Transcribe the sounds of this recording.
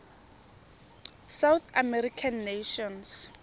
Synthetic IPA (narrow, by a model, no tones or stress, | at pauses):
sawθamɛɾikʰanːeʃɔns